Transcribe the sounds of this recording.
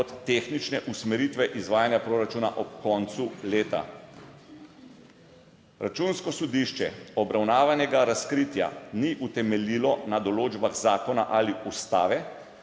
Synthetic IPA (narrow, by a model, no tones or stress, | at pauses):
ɔt̪ːeːxnit͡ʃnɛʔusmɛɾiːt̪ʋɛʔizʋaːjanjapɾoːɾat͡ʃuːnaʔɔpkɔnt̪suleːt̪a̰ | ɾat͡ʃunskɔsɔd̪iʃt͡ʃɛɔbɾawnaːʋanɛɡaɾaskɾit̪ja̰niʔut̪ɛmɛliːlɔnad̪ɔloːd͡ʒbaɣzaːkɔna̰ʔaliust̪aːʋɛ